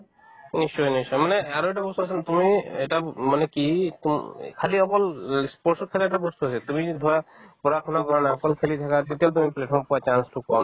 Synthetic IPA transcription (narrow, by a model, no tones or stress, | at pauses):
niʃɔjniʃɔjmaneaɾoeʈabɔst̪uɦasʰnt̪umieʈamanekit̪umkʰaliɔpɔlspɔɾsɔkʰaleʈabɔst̪uɦasʰet̪umid̪ʱɔapɔɾakʰɔnaɡʱɔɾanaɔkɔlkʰelit̪ʰakat̪et̪ialt̪̬umipleʈ̚ʰpʰɔɾmpɔat͡ʃansʈʰukɔn